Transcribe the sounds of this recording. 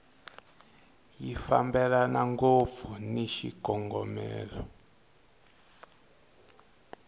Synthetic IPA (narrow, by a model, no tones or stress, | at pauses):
jifambɛlanaŋɡob̪vuniʃikɔŋɡɔmɛ̰ːlɔ